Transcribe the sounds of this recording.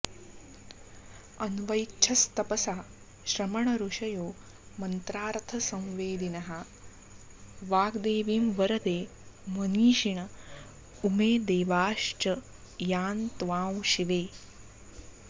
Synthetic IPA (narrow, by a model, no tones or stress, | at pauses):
ɐnʋɐjt͡ʃʰɐst̪ɐpɐsaː | ʃɾɐmɐɳɐɾuʂɐjoː | mɐnt̪ɾaːɾt̪ʰɐsɐ̃w̃ʋeːd̪inɐɦɐ | ʋaːɡd̪eːʋiːmʋɐɾɐd̪eːmɐniːʃiɳɐ | umeːd̪eːʋaːʃt͡ʃɐ | jaːnt̪ʋaːwʃiʋeː